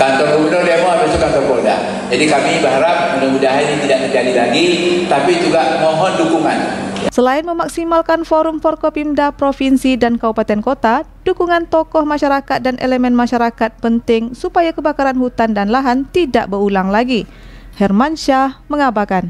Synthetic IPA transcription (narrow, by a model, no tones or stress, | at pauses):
kant̪ɔrkəbənɔrdiamɔabasukant̪ɔrboda̰ | d͡ʒadikamibərɦaɾap̚munamudaɦanit̪idaʔt̪ərd͡ʒadilaɡit̪apid͡ʒuɡaʔmɔɦɔndukuŋansəlaɪnməmaksimalkanfoɾʊmfɔrkopimdapɾofinsidankaupat̪ɛnkot̪adukuŋant̪ɔkɔhmaʃaɾakat̪̚danʔḛləmɛnmaʃaɾakat̪̚pənt̪ɪŋsupajakəbakaɾanhut̪andanlaɦant̪ida̰ʔbəɾulaŋlaɡi | hɛrmanʃaməŋabakan